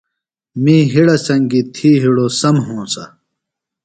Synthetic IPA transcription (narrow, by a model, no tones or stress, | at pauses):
mĩːɦiɽɐsɐŋɡit̪ʰiːɦiɽoːsɐmɦõːsɐ